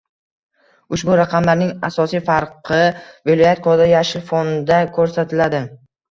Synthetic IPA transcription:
ʊʃbʊɾaqʰɑmlaɾnɪŋasɒsijfaɾqʰɨvɪlˠɒjat̪̚kʰɒd̪ajaʃɪlfond̪akʰɵɾsat̪ʰɪlad̪ɪ

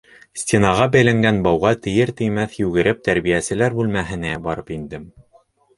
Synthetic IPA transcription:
sʲtʲenɑʁɑbæjlæŋɡænbɑwʁɑt̪ɘ̆jɘɾt̪ɘ̆jmæθjʉɡɘ̆ɾɘp̚t̪æɾβijæsɘ̆læɾbʉlmæɦɘ̆næbɑɾɤpind̪ɘm

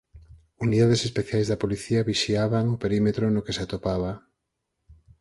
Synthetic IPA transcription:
uniðaðesespeθjajzðapoliθiaβiʃiaβaŋopeɾimet̪ɾonokeseat̪opaβ̞a

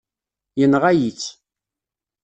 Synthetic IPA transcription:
jənʁæjit͡sː

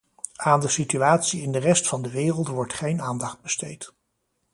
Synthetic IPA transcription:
aːndəsityaːtsiɪndərɛstfɑndəʋɪːrəlˠtʋɔɹtχejnaːndɑχd̚bəstejt

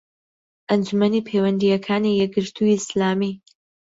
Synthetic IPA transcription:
ʔɐnd͡ʒumɐnipʰewɐnd̪ijɐkʰaːnijɛɡɨɾt̪ʰuislaːmiː

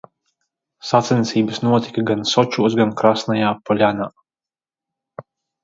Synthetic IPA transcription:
sat̪sʲɛnʲt̪sʲiːbɨsnuɔt̪ʲi̥kaɡansɔt͡ʃuzɡankɾasnajaːpɔlʲanaː

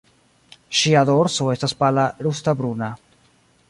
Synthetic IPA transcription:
ʃiado̞ɾso̞e̞staspalaɾustabɾuna

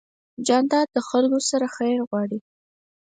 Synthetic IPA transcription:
d͡ʒɑnd̪ɑd̪əxalɡosaɾaxajɾɣwɑɽi

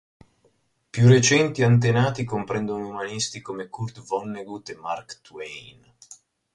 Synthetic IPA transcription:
pjuret͡ʃɛnt̪iant̪̬enaːt̪ikompɾɛnd̪onoumanist̪ikomekurt̪vɔnːeɡut̪emːarkt̪wɛjn

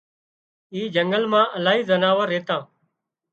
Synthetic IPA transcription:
iːd͡ʒəŋɡəlmãːʔəlaːɦiːzənaːʋəɾeːt̪ãː

